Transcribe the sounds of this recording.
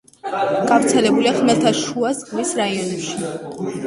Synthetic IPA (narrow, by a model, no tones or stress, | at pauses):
ɡ̥avɾt̪sʰɛlɛbuliaχmɛlt̪ʰaʃuazɡmisɾaiɔnɛpʃi